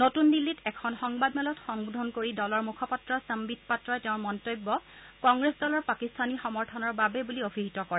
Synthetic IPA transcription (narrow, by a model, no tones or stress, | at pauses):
notundilːitɛkʰɔnxɔŋbadmɛlɔtxɔŋbudʱɔnkoɹidɔlɔɹmukʰɔpatɹɔsəmbitpatɹɔɛtɛʊ̃nmɔntojbːɔkɔŋɡɹesdɔlɔɹpakistʰanixɔmɔɹtʰɔnɔɹbabɛbuliobʱiɦitɔkɔɹɛ